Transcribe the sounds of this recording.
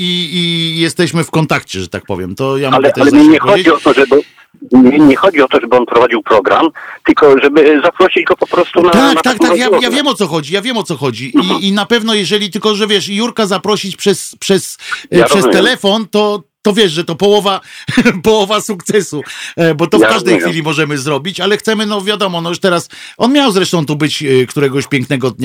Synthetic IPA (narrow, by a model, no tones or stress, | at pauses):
iːjɛst̪ɛɕmɘfkɔnt̪akt͡ɕɛʐɛt̪ak̚pɔ̰vʲjɛ̰mt̪ɔjamalɛɛalɛɛɲɛxɔɔeiɔt̪ɔʐɛb | ɛɲɛxɔd͡ʑiɔt̪ɔʐɛbɘɔnpɾɔvad͡ʑiwpɾɔɡɾa̰mt̪ɘlkɔʐɛbɘzapɾɔɕid͡ʑɡɔpɔpɾɔst̪unat̪ak̪at̪akt̪akjajavʲjɛmɔt̪sɔxɔd͡ʑijavʲjɛmɔt̪sɔxɔd͡ʑiʔiːnapɛvnɔjɛʐɛlʲit̪ɘlkɔʐɛvʲjɛʂjuɾkazapɾɔɕit͡ɕpʂɛspʂɛsʂʂɛst̪ɛlɛfɔnt̪ɔt̪ɔvʲjɛʂʐɛt̪ɔpɔwɔvapɔwɔvasukt̪sɛsubɔt̪ɔfkaʐd̪ɛjxfʲilʲimɔʐɛmɘzɾɔbʲit͡ɕalɛxt̪sɛmɘnɔvʲjad̪ɔmɔnɔjuʂt̪ɛɾasʔɔnmʲjawzɾɛʂt̪ɔ̃w̃t̪ubɘt͡ɕkt̪uɾɛɡɔɕpʲjɛŋknɛɡɔd̪ɲa